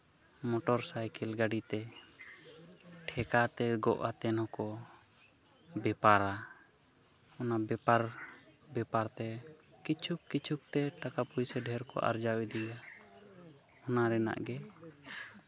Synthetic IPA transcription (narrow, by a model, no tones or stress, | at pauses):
mɔʈɔɾsajkɛlɡaɖit̪ɛ | ʈʰɛkat̪ɛɡɔ̰ʔat̪ɛnhɔkɔ | bɛpaɾa | ɔnabɛpaɾbɛpaɾt̪ɛkit͡ʃʰukːit͡ʃʰuk̚t̪ɛʈakapujsɛɖʱɛɾkɔ̰ʔa̰ɾd͡ʒawid̪ija | ɔnaɾɛna̰ʔɡɛ